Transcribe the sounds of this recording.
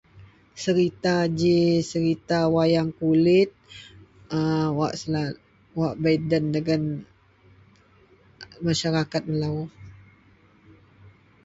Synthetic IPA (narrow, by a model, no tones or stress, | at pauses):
səɾit̪ad͡ʒisəɾit̪awajaŋkulɪt̪̚ | əwaʔsla | waʔbadəndəɡan | maʃaɾakat̪̚məlaʊh